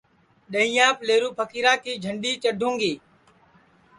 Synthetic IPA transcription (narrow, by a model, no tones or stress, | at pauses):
ɗəɦĩːjãːpleːɾuːpʰəkʰiːɾãːkʰiːd͡ʒʱəɳɗiːt͡ʃəɖʱõːŋɡeː